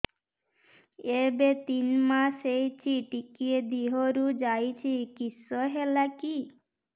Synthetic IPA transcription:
ebet̪inmasejt͡ʃʰiʈikied̪iɦoɾud͡ʒajt͡ʃʰikisɔɦelaki

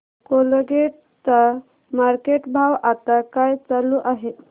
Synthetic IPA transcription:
kolɡeʈ | t͡sa | maɾkeʈbʱaʋat̪akajt͡saluʔaɦe

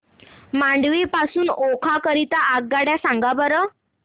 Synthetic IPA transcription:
mãɳɖʋepasuːnokʰakəɾit̪aʔaɡ̚ɡaɽjasãŋɡabəɾə

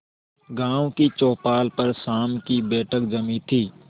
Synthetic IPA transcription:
ɡãːõkit͡ʃɔːpaːlpəɾsaːmkibɛːʈʰəkd͡ʒɐmit̪ʰiː

